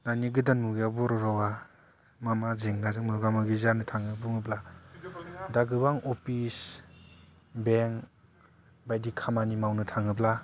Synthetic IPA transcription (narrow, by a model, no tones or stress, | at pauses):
naniɡɯdanuɡjabɔɾɔɾɔwa | mamazeŋnazɯŋmɯɡamɯɡizanɯtʰaŋɯbuŋɯbla | daɡɯbaŋɔpʰis | beŋ | bajdikʰamanimawnɯtʰaŋɯbla